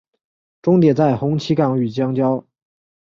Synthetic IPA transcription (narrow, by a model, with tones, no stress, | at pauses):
ʈ͡ʂʊ˥ŋt̪jɛ˨˩t͡sa˥˩ɪxʊ˧˥ŋt͡ɕʰi˧˥kɑ˨˩ŋy˨˩t͡ɕjɑ˥ŋt͡ɕjɑ˥ʊ